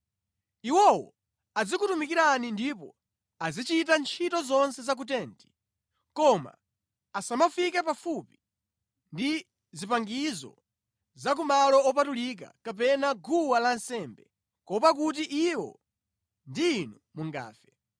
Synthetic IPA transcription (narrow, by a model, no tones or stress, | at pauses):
iwɔwɔ̰ | ad͡zikutumikiɾanindipɔ̰ | azit͡ʃitant͡ʃʰitɔzɔnsɛzak̬ut̬ɛːnti̥ | kɔma̰ː | samafikɛpafupi̥ | ndi | zipaŋɡizɔ̰ | zak̬umalɔɔp̬atulik̬a̰kap̬ɛnaɡʱuwalansɛmbɛ | kɔpak̬ut̬iʔiwɔ̰ | ndiːnumuŋɡa̰ːfɛ